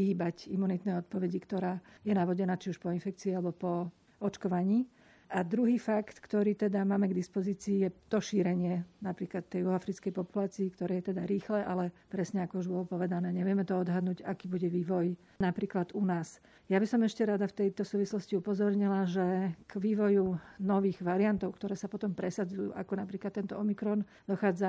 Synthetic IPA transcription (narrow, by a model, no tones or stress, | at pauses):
iɦiːbacimːunit̪nɛɔt̪̚pɔʋɛɟikt̪ɔɾaːjɛnaʋɔɟɛnaːt͡ʃiuʃpɔinfɛk̚t͡siːialɛbɔpɔ | ɔt͡ʃkɔʋaɲiː | ʔad̪ɾuɦiːfakt̪kt̪ɔɾiːt̪ɛd̪amaːmɛɡd̪ispɔziːt͡siːjɛt̪ɔʃiːɾɛɲɪɛnapɾiːklat̪ːɛjuɦɔafɾit͡skɛjpɔpulaːt͡siːkt̪ɔɾɛːjɛt̪ɛd̪aɾiːxlɛʔalɛpɾɛsɲɛakɔuʒbɔlɔpɔʋɛd̪anɛːɲɛʋɪɛmɛt̪ɔɔd̪ɦad̪nuːɟakiːbuɟɛʋiːʋɔj | napɾiːklad̪unaːs | jabisɔmɛʃcɛɾad̪aft̪ɛjt̪ɔsuːʋislɔsciupɔzɔɾɲilaʒɛɡ̥ʋiːʋɔjunɔʋiːɣʋaɾiant̪ɔʊkt̪ɔɾɛːsapɔt̪ɔmpɾɛsad͡zujṵːʔakɔnapɾiːklat̪ːɛnt̪ɔɔmikɾɔn | d̪ɔxaːd͡za